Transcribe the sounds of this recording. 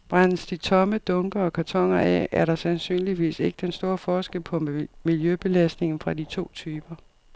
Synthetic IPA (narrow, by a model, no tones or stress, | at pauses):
b̥ʁan̰sd̥it͡sʰɒ̽məd̥ɔ̽ŋɡ̥ɐɒ̽kʰæɐt͡sʰɒ̽ŋ̰ɐɛ̰æɐɾɑ̈sænsy̰ːnliʋḭːse̝ɡ̥əd̥ensd̥o̝ːɐfɒːsɡ̥el̰pʰɒ̽miljøb̥e̝læsd̥ne̝ŋn̩fʁɑ̈d̥it͡sʰo̝̰ːt͡sʰyːb̥ɐ